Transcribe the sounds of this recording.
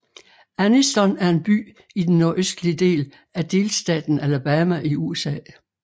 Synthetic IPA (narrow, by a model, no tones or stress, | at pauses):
ænisd̥ɒnæɐe̝nb̥y̰ː | id̥enːo̝ɐʔøsd̥liəd̥e̝̰ːl | æd̥e̝ːlsd̥ɛ̰ːd̥n̩ælb̥æmæʔiuesɛ̰ː